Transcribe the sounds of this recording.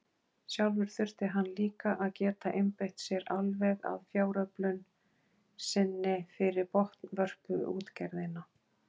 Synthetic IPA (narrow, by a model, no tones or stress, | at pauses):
sjawlvʏɾ̥θʏr̥t̪ɪɦanːliːkaʔaðcɛːt̪aʔɪmpejht̪sjɛɾalvɛɣa̰ðfjaːwɾœplʏn | sɪnːɪfɪɾɪɾpɔht̪nvœr̥kʏṵːt̪cɛɾðɪna